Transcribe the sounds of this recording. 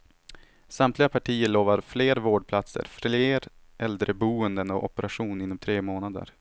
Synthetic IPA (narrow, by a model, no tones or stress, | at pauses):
samt̪lɪɡapʰaʈʰiːəɭoːvaɾfleːɾvoːɖ̚pʰlat̪sə̰ɾfleːɾ | ʔɛld̪ɾəbuːənd̪ənɔʔɔpəɾaɧuːnɪnːɔmt̪ʰɾeːmoːnad̪ə̰ɾ